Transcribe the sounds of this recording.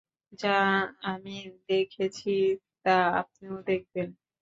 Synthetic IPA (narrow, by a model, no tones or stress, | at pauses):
d͡ʑaamid̪ekʰet͡ɕʰit̪aa̰p̚neod̪ek̚ben